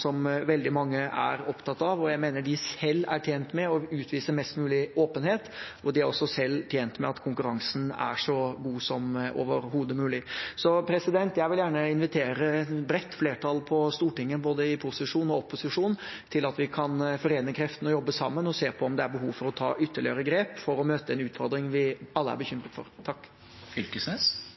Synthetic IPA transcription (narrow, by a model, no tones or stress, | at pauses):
sɔmʋɛld̪ɪmɑŋːəʔæ̰ɾɔpt̪ɑt̪ːɑʋɔjæɪmeːnəɖɪsɛlːæ̰ʈʰjeːnt̪mɛɔʉːt̪ʰʋiːsəmɛst̪mʉːlɪoːpənheːt̪ɔd̪ɪæɾɔsːɔsɛlːt̪ʰjeːnt̪mɛ̰ɑt̪kʰʊŋkʉɾɑŋsn̩æ̰ʂɔɡuːsɔmo̰ːʋəɾɦuːd̪əmʉːlɪsɔpʰɾɛsɪd̪ɛnt̪jæɪʋɪljæːɳəɪnʋɪt̪ʰeːɾəbɾɛt̪ːfleːʈʰɑlpʰɔst̪uːʈɪŋːəboːd̪əɪpʰʊsɪʂuːnɔɔpːʊsɪʂuːnt̪ʰɪlɑt̪ʋɪkʰɑnfɔɾeːnəkʰɾɛft̪ən̩ɔjɔbːəsɑ̰mːənɔseːpʰɔɔmd̪ɛæɾbəɦuːʋfɔɾɔt̪ʰɑ̰ːʔʏt̪ʰːəɭɪəɾəɡɾeːpfɔɾɔmøːt̪əɛnʉːt̪fɔɾd̪ɾɪŋʋɪɑlːəæ̰ɾbəçʏmɾət̪fɔ̰ɾt̪ʰɑkː | fʏlkəsnes